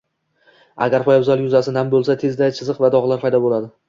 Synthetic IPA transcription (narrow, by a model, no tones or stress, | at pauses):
a̰ɡʲaɾpɒjaʊzalˠjʊzasɪnambolˠsat̪ʰe̞zd̪ajt͡ʃʰɪzɨqvad̪ɒʁlˠaɾpʰajd̪ɒbolad̪ɪ